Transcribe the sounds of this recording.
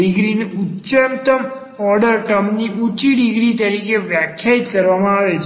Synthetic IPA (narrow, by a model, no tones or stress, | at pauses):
ɪɡɾineutːt͡ʃəmt̪əm | ɔɾɖəɾʈəmniʔut͡ʃiɖiɡɾit̪əɾikeʋjakʰjait̪kəɾʋamãaʋet͡ʃʰ